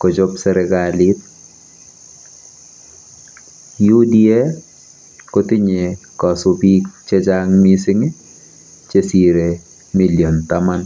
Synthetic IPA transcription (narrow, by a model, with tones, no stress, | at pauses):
ko˨d͡ʒo˦psɛ˦ɾɛɡalit̚ | ju˦di˦e˦ | ko˦tɪ˦ɲe˨kɔ˨sʊpi˦k̚t͡ʃe˦d͡ʒaŋmisɪ˦ŋɪ˦ | t͡ʃe˦si˦ɾe | mi˦ljo˨nt̪ama˦n